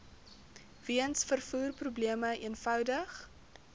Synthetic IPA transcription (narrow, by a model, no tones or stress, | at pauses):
viənsfərfuːrprubliəməʔiənfœwdəχ